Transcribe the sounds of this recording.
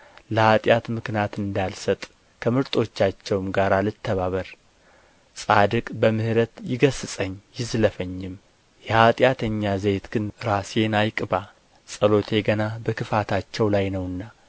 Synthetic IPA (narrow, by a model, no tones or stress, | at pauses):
ləhat̪ʼjat̪mɨknjat̪ɨnd̪alsət̪ʼ | kʰəmɨɾt̪ʼo̞t͡ʃːat͡ʃːɛwmɡaɾalɨt̪ʰːəβaβəɾ | sʼad̪ɨkʼbəmɨhɾət̪jɪɡəsɨsʼəɲːjɪzləfəɲːɪm | jɛhat̪ʼjat̪ʰəɲːazejt̪ɡ̥ɨnɾase̞najkʼba | sʼəlo̞t̪ʰe̞ɡənabəkʰɨfat̪ʰat͡ʃːɛwlajnəwɨnːa